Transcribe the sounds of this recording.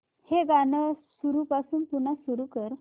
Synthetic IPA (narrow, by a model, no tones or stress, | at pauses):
heɡanəsuɾupasuːnpunasuɾukəɾ